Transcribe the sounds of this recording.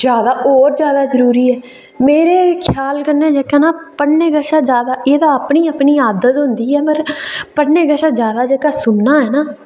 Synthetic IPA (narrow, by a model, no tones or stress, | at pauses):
d͡ʒjaːd̪aːʔɔːɾd͡ʒjaːd̪aːzəɾuːɾiːɛː | meːɾeːkʰjaːlkəɾneːd͡ʒeːkaːnaːpəɽneːɡəʃaːd͡ʒjaːd̪aːʔeːd̪aːəpɳiːəpɳiːaːd̪ət̪ɦʊnd̪iːɛːpəɾpəɽneːɡəʃaːd͡ʒjaːd̪aːd͡ʒeːkaːsʊnːaːɦɛːnaː